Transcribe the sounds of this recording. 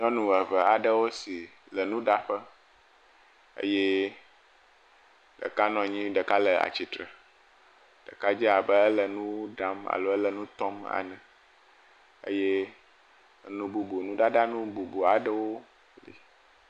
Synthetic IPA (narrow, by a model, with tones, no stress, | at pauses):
ɲɔ̃˦nũ˨ə˨və˨a˨ɖə˦wo˦si˨ | lə˨nũ˦ɖa˦ɸə˦ | ə̰˦jɛ˦ | ɖə̰˨ka˦nɔ̃˨ɲĩ˦ɖə˨ka˦lə˨a̰˨t͡ɕi˨t̪ɾə˨ | ɖ̥ə˨ka˦d͡ʑi˦a˨bə˦ə˦lə˨nũ˦ɖa˦ma̰˨lo˦ə˦lə˨nũ˦t̪ɔ˦ma̰˨nɛ̃˨ | ə̰˦jɛ˦ | nũ˨bu˨bu˨nũ˦ɖa˦ɖa˦nũ˦bu˨bu˨a˨ɖə˦wo˦ | lḭ˨